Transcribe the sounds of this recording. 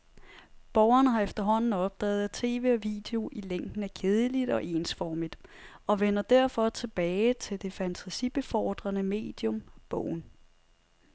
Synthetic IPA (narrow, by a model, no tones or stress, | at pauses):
b̥ɒʊɐnəɦɑ̈efd̥ɐɦɒ̽n̰n̩ɒ̽b̥̚d̥ɛ̰ːð̩ˠed̥̚t͡sʰe̝̰ːʋe̝̰ːɒ̽ʋḭːd̥e̝o̝ʔileŋ̰ɡ̥n̩æɐkʰe̝ð̞ˠəlid̥ɒ̽ʔe̝̰ːnsfɒːmid̥ɒ̽ʋenɐd̥æɐ̰fɒ̽t͡sʰe̝b̥ɛːɪt͡sʰe̝ld̥e̝fænt͡sʰæsib̥e̝fɒ̰ːd̥ʁɐnəme̝̰ːd̥jɔ̽mb̥ɔʊ̰n̩